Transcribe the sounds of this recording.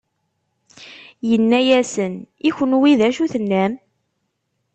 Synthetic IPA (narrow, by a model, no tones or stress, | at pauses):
jənːæjæsən | içənwiðæʃuθənːæm